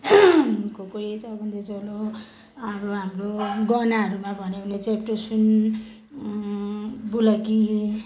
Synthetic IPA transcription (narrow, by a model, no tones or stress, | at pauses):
kokoɾit͡sʌbʱʌnd̪et͡solo | ɦamroɦamroɡʌnaɦʌɾumabʱʌnebʱʌnet͡sepʈosun | bulʌki